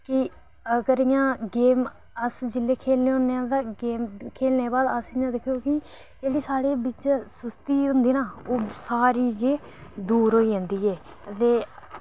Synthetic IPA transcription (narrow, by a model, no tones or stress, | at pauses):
kɪ | əɡəɾɪjãːɡeːm | əsd͡ʒɪlːeːkʰeːlneːɦõneãːt̪aɡeːmkʰeːlneːbaːd̪əsɪjãːd̪ekʰjoːkɪ | d͡ʒeːɽiːsaːɽeːbɪt͡ʃsʊst̪iːɦʊ̃nd̪iːnaːoːsaːɾiːɡeː | d̪uːɾɦoːiːd͡ʒãːnd̪iːɛː | ət̪eː